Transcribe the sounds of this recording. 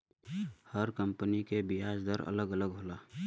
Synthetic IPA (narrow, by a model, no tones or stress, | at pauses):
həɾkə̃mpənikebɪjaːd͡ʒd̪əɾə̰ləɡələɡɦoːlaː